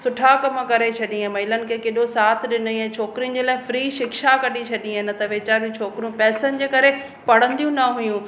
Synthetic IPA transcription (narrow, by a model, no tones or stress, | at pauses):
sʊʈʰakɐməkɐɾet͡ɕʰɐɗĩẽmɐɪlənɪ̆kʰeːkeɗosaːt̪ʰɗɪniɛ̃t͡ɕʰoːkɪɾijʊ̃nɪ̆d͡ʑeːlaːɪ̃fɾiːʃɪkʃakɐɗit͡ɕʰɐɗĩɦɪnɪ̆t̪ɐʋeːt͡ɕaːɾijũt͡ɕʰoːkɾijũpɛːsənɪ̆d͡ʑeːkɐɾe | pɐɽə̃nd̪ijũnɐɦʊjũ